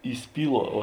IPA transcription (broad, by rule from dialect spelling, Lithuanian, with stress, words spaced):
iːˈsʲpʲiːˌlˠuɔ oː